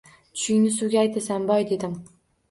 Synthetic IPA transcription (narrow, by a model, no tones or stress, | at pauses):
t͡ʃ̪ʰʊ̥ʃɪŋnɪsʊɡʲaajt̪ʰasambɒjd̪e̞d̪ɪm